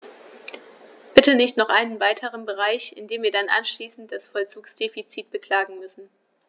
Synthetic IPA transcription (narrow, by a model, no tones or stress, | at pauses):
b̥ɪtənɪçtnɔχʔaɪnənvaɪtʰəʁ̞ənbəʁ̞aɪçɪndeːmviːɐdanʔa̰nʃliːsn̩t̚d̥asfɔlt͡suːksd̥eːfit͡siːt̚b̥əkl̥aːɡŋ̩mʏsn̩